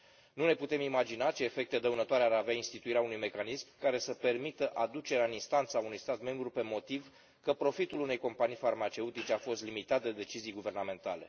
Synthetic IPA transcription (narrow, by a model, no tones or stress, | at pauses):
nune̞put̪e̞mimad͡ʒinat͡ʃe̞ːfe̞k̚t̪ed̪əunət̪oaɾeaɾaveainst̪it̪uiɾeaunujme̞kanismkaɾe̞səpe̞rmit̪əʔad̪ut͡ʃe̞ɾeaɨninst̪ant̪saunujst̪at̪me̞mbɾupe̞mo̞t̪iv | kəpɾo̞fit̪ulune̞jko̞mpanijfarmat͡ʃe̞ut̪it͡ʃeafo̞st̪limit̪at̪̚d̪e̞d̪e̞t͡ʃizijɡuve̞rname̞nt̪ale̞̰